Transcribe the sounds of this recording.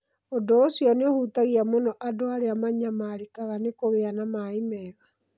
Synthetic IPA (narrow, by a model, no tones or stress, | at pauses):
odoːsiɔneohutaɣiamonɔʔadoaɾeamaɲamaɾikaɣanekoɣeanamaimɛɣa